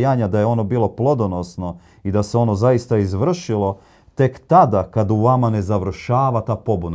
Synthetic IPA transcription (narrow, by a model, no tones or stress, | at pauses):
jaːɲad̪ajeo̞no̞biːlˠo̞plˠo̞d̪o̞nosno̞ | id̪aseo̞no̞zaist̪aizʋr̩ʃilˠo̞ | t̪e̞kt̪ad̪akad̪uʋamane̞zaʋr̩ʃaːʋat̪aːpo̞buna